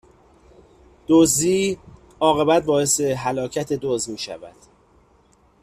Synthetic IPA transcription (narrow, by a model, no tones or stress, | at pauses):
d̪̥oziː | ɒːɣe̞bæt̪̚bɒːe̞se̞ɦælɒːcʰæt̪ʰe̞d̪ozmiːʃæ̰væ̰d̪̥